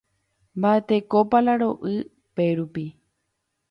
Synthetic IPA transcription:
mbaet̪e̞kopalaɾo̞ʔɨ | pe̞ɾupi

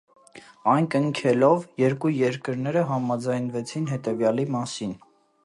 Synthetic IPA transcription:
ɑjnkəŋkʰɛlɔvjɛɾkujɛɾkəɾnɛɾəɦɑmɑd͡zɑjnvɛt͡sʰinɦɛt̪ɛvjɑlimɑsin

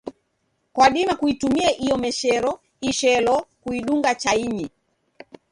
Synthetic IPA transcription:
kwaɗimakuitumiaʔijɔmɛʃɛɾɔ | iʃɛlɔkuiɗuŋɡat͡ʃaiɲi

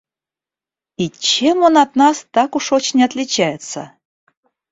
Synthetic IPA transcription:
it͡ɕemonat̪̚nɑst̪ɑkuʂot͡ɕnʲat̪lʲɪt͡ɕæjɪt̪sə̰

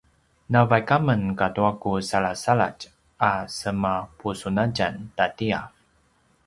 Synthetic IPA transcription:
navajkamənkatuakusaɭasaɭa̰t͡ʃ | asəmapusunaɟantatia̰

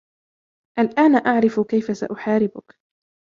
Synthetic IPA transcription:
ʔalʔaːnʔaʕɾɪfkajfasa̰ʔʊħaːɾɪbʊk

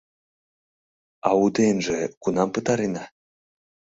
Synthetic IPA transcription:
ɑud̪enʒekunɑmpət̪ɑɾenɑ

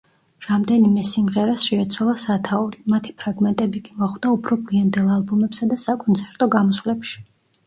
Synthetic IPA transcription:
ɾamd̪ɛnimɛsimʁɛɾasʃɛːt̪sʰwalˠasat̪ʰauɾimat̪ʰi̥pʰɾaɡmɛnt̪ʼɛbikʼimaχwd̪̥aupʰɾɔbliand̪ɛlˠalˠbumɛpsad̪asakʼɔnt̪sʰɛɾt̪ʼɔɡamɔsvlɛpʃi̥

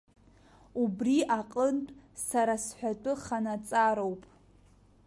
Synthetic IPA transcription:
ubriʔaqʼəntʼsaɾasħʷᶣatʼɨχanat͡sʼaɾowpʼ

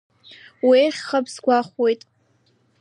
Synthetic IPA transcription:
wieχʲχəpʰzɡʷaχʷwe̞jtʼ

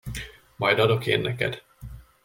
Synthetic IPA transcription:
mɒjd̪ɒd̪o̞keːnːɛkɛ̰d̪̥

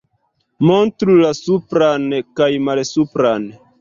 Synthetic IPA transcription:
montɾulasupɾankajmalsupɾan

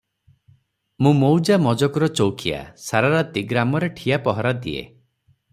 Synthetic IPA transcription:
mũmowd͡ʒamɔd͡ʒɔkɔɾɔt͡ʃowkʰija̰saɾaɾat̪iɡɾamɔɾeʈʰijapɔɦɔɾad̪iḛ

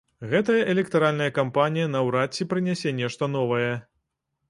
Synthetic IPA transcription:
ɣɛt̪ɐjɐʔɛlʲɛk̚t̪aɾalʲnɐjɐkampanʲijɐnɐwɾat͡sʲːipɾɨnʲasʲɛnʲɛʂt̪ɐn̪ɔvɐjɛ

